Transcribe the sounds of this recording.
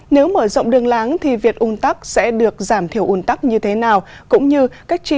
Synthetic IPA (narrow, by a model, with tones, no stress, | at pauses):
ne˨˦wməː˧˩zə̰˧˨wŋ͡mɗɨ˨˩əŋlaː˨˦ŋt̪ʰi˨˩vi˨˩ək̚ʔu˧˩nt̪a˦˥k̚sɛ̰˧˥ɗɨ˨˩ək̚zaː˧˩mt̪ʰi˧˩əwʔu˧˩nt̪a˦˥k̚ɲɨ˧t̪ʰe˨˦naː˨˩wkʊ̰˧˥ŋ͡mɲɨ˧kaː˦˥jk̟̚t͡ɕi˧